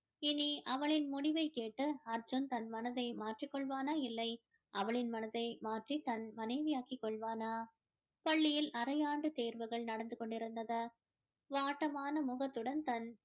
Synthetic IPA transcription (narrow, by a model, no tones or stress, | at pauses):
ɪniʔɐʋɐɭɪnmʊɽɪʋɐɪkeːʈːɯɐɾd͡ʒɯnt̪ɐnmɐnɐðɐɪmaːʈrikːɔɭʋaːnaːɪlːɐɪ | ʔɐʋɐɭɪnmɐnɐðɐɪmaːʈrit̪ɐnmɐnɐɪʋɪjaːkɪkːɔɭʋaːnaː | pɐɭːɪjɪlɐɾɐjaːɳɖɯt̪eːɾʋɐɣɐɭnɐɽɐnd̪ɯkːɔɳɖɪɾɯnd̪ɐðɐ | ʋaːʈːɐmaːnɐmʊɣɐt̪ːɯɽɐnt̪ɐn